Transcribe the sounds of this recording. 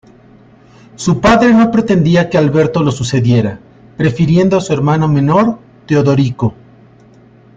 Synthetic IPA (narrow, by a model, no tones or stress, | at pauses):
supaðɾe̞no̞pɾe̞t̪e̞nd̪iake̞alβe̞ɾt̪o̞lo̞suse̞ðje̞ɾa | pɾe̞fiɾje̞nd̪o̞asue̞ɾmanome̞no̞ɾ | t̪eoðo̞ɾiko